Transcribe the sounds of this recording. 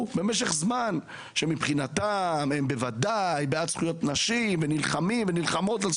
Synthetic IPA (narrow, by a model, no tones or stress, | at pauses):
beme̞ʃ̬e̞χzman | ʃemipχinatamembe̞vadajbeadsχujo̞tnaʃimvenilχamimvenilχamo̞tal